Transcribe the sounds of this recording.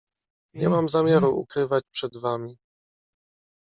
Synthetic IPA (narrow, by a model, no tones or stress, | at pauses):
ɲɛmamzamʲjaɾuʔṵkɾɘvat͡ɕpʂɛd̪vamʲi